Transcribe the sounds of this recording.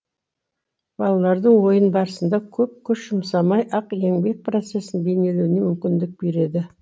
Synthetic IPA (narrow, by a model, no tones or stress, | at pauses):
b̥ɑlˠɑlˠɑɾd̪əɴwo̞jənbɑɾəsənd̪ɑkʲʰɵp̚kʲʰʏʃʒ̥əmsɑmɑjʔɑqe̞ŋbe̞k̚pro̞t̪se̞sɪnbe̞ne̞lewɪne̞mʏmkʲɪnd̪ɪk̚be̞ɾe̞d̪ɪ